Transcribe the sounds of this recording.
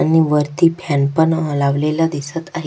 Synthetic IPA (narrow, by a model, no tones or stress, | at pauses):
añiʋəɾt̪iːpʰjanpəɳəlaʋlelad̪isət̪aɦ